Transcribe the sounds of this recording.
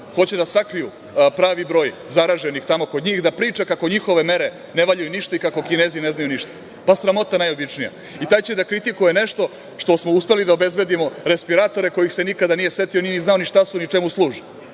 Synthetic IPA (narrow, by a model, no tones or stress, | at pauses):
xo̞t͡ɕed̪asakɾijṵ | pɾaːʋibɾo̞ːj | zaɾaːʒenixt̪amo̞ko̞d̪ɲiːxd̪apɾiːt͡ʂakako̞ɲixo̞ʋe̞me̞ɾe | neʋaʎujuniʃt̪aikako̞kineːzine̞znajuniʃt̪ḁ | pasɾamo̞t̪anajo̞bit͡ʂnija̰ | it̪aːjt͡ɕed̪akɾit̪ikuje̞ne̞ʃt̪o̞ | ʃt̪o̞smo̞uspe̞lid̪aobe̞zbe̞d̪imo̞ɾe̞spiɾat̪o̞ɾe̞ko̞jixsenikad̪anije̞se̞t̪ioniniznaoniʃt̪asunit͡ʃemuslˠuːʒe